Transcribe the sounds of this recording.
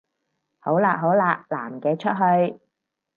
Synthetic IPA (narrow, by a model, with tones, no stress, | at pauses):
ho˨˥wlaː˨ʔ̚ɦo˨˥wlaː˨˧k̚la̰ː˨˩mkɛː˧t͡ʃʰɵ˥t̚ɦɵ˧ɥ